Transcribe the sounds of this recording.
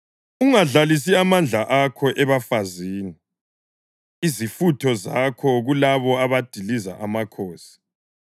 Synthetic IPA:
uŋaɮalis̬iamand͡ɮʱaʔakʰɔʔɛβafaziːni | izifutʰɔzakʰɔɣulaβɔaβad̥ʱiliza̰ʔamakʰoːsi̥

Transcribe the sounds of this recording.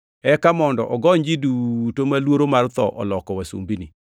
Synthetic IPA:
ɛkamɔndɔʔɔɡɔɲd͡ʒidutomalwoɾomart̪ɔʔɔ̰lɔkɔwasṵmbini

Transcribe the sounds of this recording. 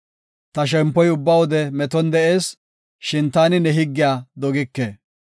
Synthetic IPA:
t̪ɐʃ̬ɛmpːɔjʊbːɐwɔd̪ɛmɛt̪ɔnd̪ɛʔe̞ːs | ʃɪnt̪aːnɪnɛɦɪɡːɪjaːd̪ɔɡɪkːeː

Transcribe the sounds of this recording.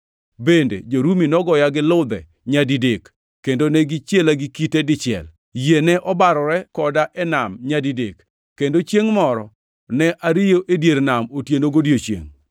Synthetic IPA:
bendḛd͡ʒoɾuminɔɡɔjaɡɪlʊd̪ɛ̰ | ɲadidekː | endonɛɡɪt͡ʃjelaɡɪkiteɡɪt͡ʃɪɛ̰l | jenɛʔɔbaɾɔɾɛkɔdaʔɛnamɲadidḛkː | endot͡ʃjeŋmɔɾɔ | nɛʔaɾɪjoʔedjeɾnamotjenoɡodjot͡ʃjḛŋ

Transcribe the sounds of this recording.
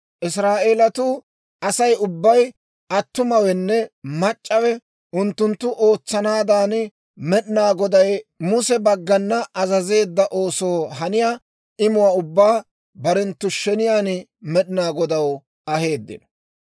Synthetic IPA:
ʔɪs̬ɾaːʔe̞ːlɐt̪ʊ | ʔɐsɐjʊbːɐj | ʔɐt̪ːʊmɐwɛnːɛmɐt͡ʃʼːɐwɛ | ʔʊnt̪ːʊnt̪ːʊʔo̞ːt͡sːɐnaːd̪aːn | mɛɗɪnaːɡɔd̪ɐjmʊsɛbɐɡːɐnːɐʔɐzɐze̞ːd̪ːɐʔo̞ːso̞ːɦɐnɪjaː | ɪmʊwaːʊbːaː | bɐɾɛnt̪ːʊʃɛnɪjaːn | mɛɗɪnaːɡɔd̪ɐw | ɐhe̞ːd̪ːɪ̰nɔ̥

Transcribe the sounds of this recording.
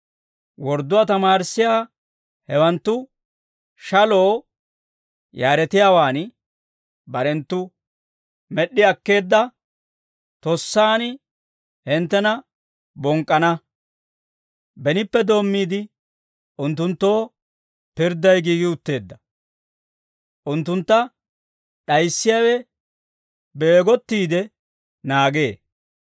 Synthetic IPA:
wɔɾd̪ːʊwaːt̪ɐmaːɾsːɪjaː | hɛwɐnt̪ːʊ | ʃɐlo̞ː | jaːɾɛt̪ɪjaːwaːn | bɐɾɛnt̪ːʊ | mɛɗːɪɐkːe̞ːd̪ːɐ | t̪ɔsːaːn | hɪnt̪ːɛnɐ | bɔŋkʼːɐnɐ | bɛnɪpːɛd̪o̞ːmːiːd̪ɪ | ʔʊnt̪ːʊnt̪ːo̞ː | pɪɾd̪ːɐjɡiːɡɪʊt̪ːe̞ːd̪ːɐ | ʔʊnt̪ːʊnt̪ːɐ | ɗɐjsːɪjawɛ | be̞ːɡɔt̪ːiːd̪ɛ | naːɡe̞ː

